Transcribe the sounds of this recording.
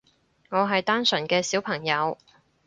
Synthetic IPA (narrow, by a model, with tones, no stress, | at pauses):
ŋɔː˨˧ɦɐ˨jt̪aː˥nsœ˨˩nkɛː˧siː˨˥wpʰɐ˨˩ŋjɐ˨˧w